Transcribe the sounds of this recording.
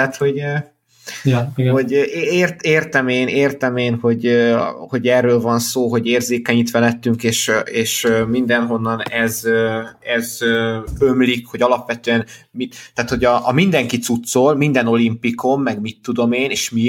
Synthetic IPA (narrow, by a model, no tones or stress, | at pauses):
at̪ho̞ɟø | ho̞ɟeːrt̪eːrt̪ɛmeːneːrt̪ɛmeːnho̞ɟøho̞ɟɛrːøːlvɒnsoːɦo̞ɟeːrzeːkɛɲit̪ʋɛlɛt̪ːyŋkeːʃʔeːʃømind̪ɛnɦo̞nːɒnɛzøɛzøømlikho̞ɟɒlɒpʋɛt̪øɛn | mit̪aːt̪ho̞ɟɒʔːmind̪ɛŋkit̪sut̪solmind̪ɛno̞limpiko̞mːɛɡmit̪ːud̪o̞meːneːʃmi